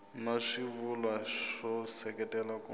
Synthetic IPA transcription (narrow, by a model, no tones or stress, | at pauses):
naʂivulwaʂɔsɛkɛtɛlaku